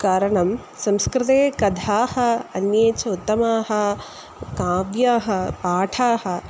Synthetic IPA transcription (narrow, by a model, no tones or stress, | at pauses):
kaːɾɐɳɐm | sɐmskɾɪt̪eːkɐd̪ʱaːhɐ̆ɐnjeːt͡ʃɐut̪ːɐmaːɦɐ̆ | kaːʋjaːɦɐ̆paːʈʰaːɦɐ̆